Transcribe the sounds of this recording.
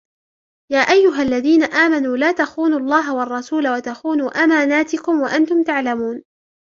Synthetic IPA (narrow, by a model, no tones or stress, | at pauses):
jaːʔajːʊɦalːaðiːnaʔaːmanuːlaːt̪axuːnʊlˤːɑːɦawɑɑrˤːɑsuːlawat̪axuːnuːʔamaːnaːt̪ɪkʊmwaʔant̪ʊmt̪aʕlamuːn